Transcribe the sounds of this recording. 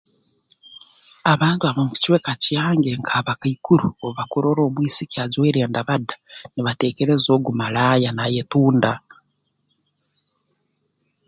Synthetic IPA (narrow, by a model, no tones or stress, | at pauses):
aβaːntuaβomuci̥ciwekacijaːŋɡeŋkʰaβakaikuɾuoβakuɾoɾo̞ːβwiːsikiazweɾeːndaβadḁniβateːkeɾezo̞ːɡumalaːjanajetuːnda